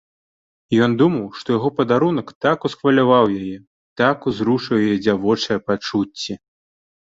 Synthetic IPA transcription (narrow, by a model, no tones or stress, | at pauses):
jɔnd̪umɐwʂt̪ɔjaɣɔpɐd̪aɾunɐkt̪akusxvɐlʲavawjajɛ | t̪akuzɾuʂɐwjajɛd͡zʲavɔt͡ʂɐjɐpat͡ʂut͡sʲːɛ